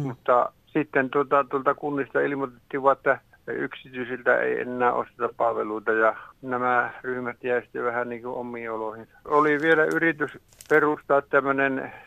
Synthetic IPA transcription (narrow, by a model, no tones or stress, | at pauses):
mut̪ːɑ | sit̪ːent̪uot̪ɑt̪uolt̪ɑkunːist̪ɑilimot̪et̪ːiːʋɑet̪ːæ | y̰ksit̪yisilt̪æ̰ḛiḛnːæːʔo̰st̪et̪ɑppɑlʋeluit̪ɑjɑnæmæryhmæt̪jæisi̥t̪ːeʋæhænniːŋkuomːˑiːoloˑhin | oliʋielæyrit̪ys | perust̪ɑːt̪t̪æmːønen